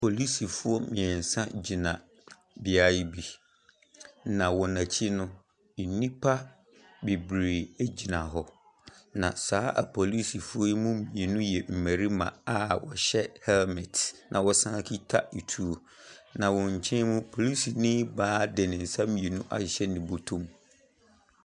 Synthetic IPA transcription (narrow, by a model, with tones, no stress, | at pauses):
pʰo˨li˦si˨fʊ˦ɔ˦mɪ̃˨ɛ˨n̩˨sã˦d͡ʑi˨nã˨ | bɪ˨a˦ji˦bi˦ | nã˨wɔ˨nã˨t͡ɕʰi˦nʊ̃˦ | i˨nĩ˦pʰa˦ | bi˨bɾe˨e˦d͡ʑi˨nã˨ɦɔ˨ | nã˨saː˨˦ʔa̰˨pʰɔ˨li˦si˨fʊ˦mũ˦mĩ˨e˨nũ˦jɛ˨m̩˨mæ˨ɾi˦mã̰˨a˦wɔ̰˨ɕɛ˦hɛ˦lmɪ˨tnʔã̰˨wɔ˦sã˦kʰi˦tʰa˦i˨tʰu˦o˨ | nã˨wɔ̃˨ɲ̩˨t͡ɕʰɛ̃˦mũ˦pʰo˨li˦si˨nɪ̃˦baː˦dɛ˨nɪ̃˨n̩˨sã˦mĩ˨e˨nũ˦ʔa̰˨ɕɛ˦nɪ̃˨bo˨tʰũ˦˨m